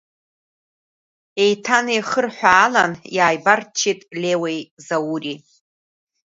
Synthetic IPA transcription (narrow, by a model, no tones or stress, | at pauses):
e̞jtʰanejχərħʷaːlanjaːjbart͡ʃʰitʼlʲewejzawuri